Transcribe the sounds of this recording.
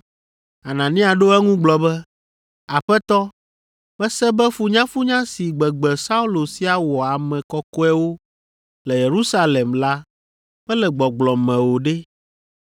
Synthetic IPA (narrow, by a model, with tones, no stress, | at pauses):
a˨nã˨nĩ˦a˨ɖo˦ɛ˦ŋũ˦ɡ͡blɔ˨bɛ˦ | a˨ɸɛ˦t̪ɔ˦ | bɛ˦sɛ˦bɛ˦fu˦ɲã˦fu˦ɲã˦si˨ɡ͡bɛ˨ɡ͡bɛ˨sa˦u˦lo˨si˦a˨wɔ˨a˨mɛ̃˨kɔ˦kɔ˦ɛ˦wo˦ | lɛ˨je˨ɾu˦sa˦lɛ˨mla˦ | ɸɛ˦lɛ˨ɡ͡bɔ˨ɡ͡blɔ˨mɛ̃˨wo˨ɖɛ˦